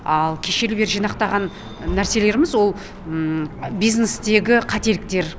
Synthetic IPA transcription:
ɑlˠkʲʰe̞ʃe̞lɪbe̞ɾʒijnɑq̚t̪ɑʁɑnː | æɾse̞le̞ɾɪmɪzwo̞lˠ | bijznest̪e̞ɡʲɪqʰɑt̪e̞lɪk̚t̪e̞ɾ

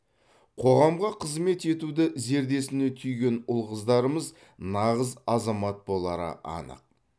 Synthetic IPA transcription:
qʰo̞ʁɑmʁɑqʰəzme̞t̪e̞t̪ud̪ɪze̞ɾd̪e̞sɪne̞t̪ʰʏjɡʲe̞nʊlˠʁəzd̪ɑɾəməz | nɑʁəzɑzɑmɑt̪̚bo̞lˠɑɾə̰ʔɑ̰nə̰q̚

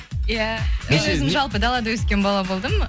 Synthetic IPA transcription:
jaeɵzɪmʒɑlˠpəd̪ɑlˠɑd̪əwɵskʲe̞nbɑlˠɑbo̞lˠd̪əm

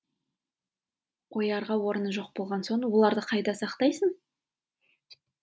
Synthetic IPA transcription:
qʰo̞jɑɾʁɑwo̞ɾənəʒo̞q̚bo̞lˠʁɑnso̞nwo̞lˠɑɾd̪əqʰɑjd̪ɑsɑqt̪ɑjsəɴ

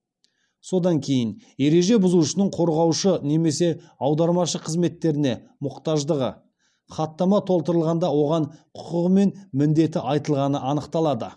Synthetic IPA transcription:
so̞d̪ɑŋkʲʰe̞jɪnje̞ɾe̞ʒe̞bʊzuʃɪnəɴqʰo̞ɾʁɑwʃəne̞me̞se̞ | ɑwd̪ɑɾmɑʃəqʰəzme̞t̪ːe̞ɾɪne̞ | mʊqt̪ɑʒd̪əʁə̰ | χɑt̪ːɑmɑt̪ʰo̞lˠt̪əɾəlˠʁɑnd̪ɑwo̞ʁɑɴqʰʊ̥qəʁəme̞nmɪnd̪e̞t̪ɪʔɑjt̪əlˠʁɑnəʔɑnəqt̪ɑlˠɑd̪ə

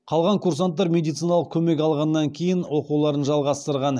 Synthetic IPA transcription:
qʰɑlˠʁɑŋkʰurs̬ant̪ːɑɾmʲe̞d̪ijt̪sɨjnɑlˠəq̚kʲʰɵme̞k̬ʲɑlˠʁɑnːɑŋkʲʰe̞jɪnwo̞qulˠɑɾənʒɑlˠʁɑst̪əɾʁɑn

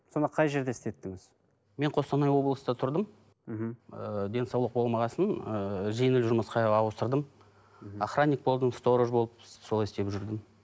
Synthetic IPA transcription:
so̞nəqʰɑjʒe̞ɾd̪eɪst̪et̪ːɪŋɪz̥ | me̞ɴqʰo̞st̪ɑnɑjwo̞blˠəsd̪ɑt̪ʰʊɾd̪əm̩ | ɦm̩əd̪ʲe̞nsɑwlˠəq̚bolˠmɑʁɑsənəʒejnɪlʒʊɾməsqɑɑwəst̪əɾd̪əm | aχronʲik̚bo̞lˠd̪ənst̪o̞ɾoʒbo̞lˠəp̚so̞lˠɑjɪst̪e̞pʒʏɾd̪ɪm

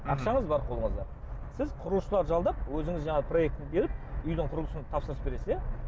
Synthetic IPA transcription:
ɑqʃɑɴəzbɑɾqʰolˠəɴəzd̪ɑɾ | sɪzqʰʊɾəlˠəʃəlˠɑɾʒɑlˠd̪ɑp̚wɵzɪŋɪzʒɑɴɑʁpʰro̞je̞k̚t̪ɪnbe̞ɾɪp̚ʏjd̪ɪɴqʰʊɾlˠəsənt̪ʰɑpsəɾəsbe̞ɾe̞sɪzje

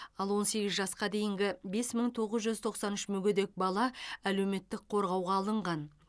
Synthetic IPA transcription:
ɑlˠwo̞nse̞ɡʲɪzʒɑsqɑd̪e̞jɪŋɡʲɪbe̞sməɴt̪ʰo̞ʁəzʒʏzt̪ʰo̞qsɑnʏʃmɵɡʲed̪e̞k̚bɑlˠɑæle̞wme̞t̪ːɪk̚qʰo̞ɾʁɑwʁɑːlˠəɴʁɑn

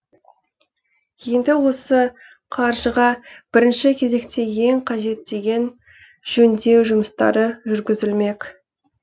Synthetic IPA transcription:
je̞nd̪ɪwo̞sə | qʰɑɾʒəʁɑb̥ɪɾɪnʃɪkʲʰe̞ze̞kt̪ʰe̞je̞ŋqʰɑʒe̞t̪̚d̪e̞ɡʲe̞n | ʒ̥ɵnd̪e̞wʒʊməst̪ɑ̰ɾəʒʏɾɡʲɪzɪlme̞kʲ

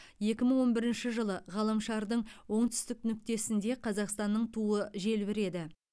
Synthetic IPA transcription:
je̞kʲɪməɴwo̞nbɪɾɪnʃɪʒəlˠəʁɑlˠəmʃɑɾd̪əɴwo̞ɴt̪ʰʏ̥st̪ɪknʏk̚t̪e̞sɪnd̪e̞qʰɑzɑqst̪ɑnːəɴt̪ʰuəʒe̞lbɪɾe̞d̪ɪ

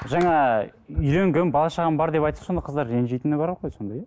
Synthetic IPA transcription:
ʒɑɴɑʏjɾeŋɡʲembɑlˠɑʃɑʁɑnbɑɾd̪e̞pɑjt̪so̞nd̪ɑqʰəzd̪ɑɾːenʒejt̪ɪnɪbɑɾɑqʁojso̞nd̪ɑj

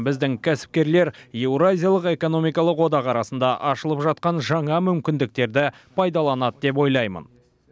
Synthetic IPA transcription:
bɪzd̪ɪŋkʲʰæsɪ̥p̚kʲe̞ɾle̞ɾje̞wɾazʲijalˠəqe̞ko̞no̞mijkɑlˠəqwo̞d̪ɑqɑɾɑsənd̪ɑʔɑʃəlˠəpʒɑt̪̚qɑnʒɑɴɑmʏmkʲɪnd̪ɪk̚t̪e̞ɾd̪ɪ | pʰɑjd̪ɑlˠɑnɑt̪d̪e̞p̬wo̞jlˠɑjmə̰n

